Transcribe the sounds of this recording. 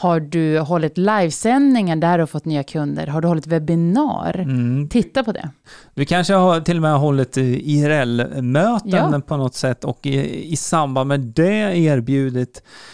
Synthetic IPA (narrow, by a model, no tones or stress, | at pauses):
haɖɵɦɔlːɪt̪lajvsɛnd̪nɪŋaɖ̪æɖɵhafɔt̪ːnyːakʰɵnd̪ə̰ɾɦaɖɵhɔlːɪt̪vɛbɪnɑ̰ːɾt̪ʰɪt̪ːapʰɔd̪ɛ̰d̪̥ɵkʰanʂəhat̪ʰɪlːɔmɛɦɔlːɪt̪ɪɾɛlmøːt̪ənd̪əpʰɔnɔt̪sɛt̪ːɔkɪsamband̪mɛd̪ɛeːɾbjʉ̟ːd̪ɪt̪